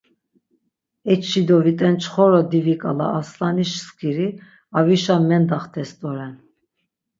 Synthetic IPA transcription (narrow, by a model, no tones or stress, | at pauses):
ɛt͡ʃʃid̪ɔvit̪ʼɛnt͡ʃʰχɔɾɔd̪ivikʼala̰ːslaniʃskʼiɾi | aviʃamɛnd̪aχt̪ʰɛst̪ʼɔɾɛn